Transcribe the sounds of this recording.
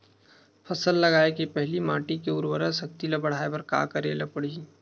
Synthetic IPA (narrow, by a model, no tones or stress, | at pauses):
fʰɐsəlːɐɡaːekipɛɦlimãːʈikeʊɾwəɾəsɐkt̪ilɐbɐɽ̤aːebɐɾka̰ːkɐɾḛːləpɐɽ̤i